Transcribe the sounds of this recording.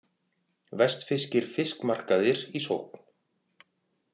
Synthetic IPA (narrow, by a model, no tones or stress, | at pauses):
vɛst̪fɪscɪɾ̥fɪskmar̥kaðɪɾiso̰whkn̥